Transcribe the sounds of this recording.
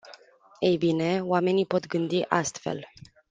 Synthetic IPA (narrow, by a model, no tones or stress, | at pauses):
ejbine̞oame̞nipo̞t̪ɡɨnd̪iʔast̪fe̞̰l